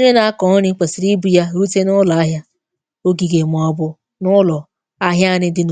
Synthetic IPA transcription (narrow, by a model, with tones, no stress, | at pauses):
ɲe˦na˨a˦kɔ˨n̩˦ɾɪ˦k͡pe˨si˨ɾi˦bu˦ja˦ɾu˦te˦nʊ˦lɔ˨a˦ɦja˦ | o˦ɡi˨ɡe˨m˨ɔ˨bʊ˦ | nʊ˦lɔ˨ | a˦ɦja˦˨nɪ˦dɪ˦n˨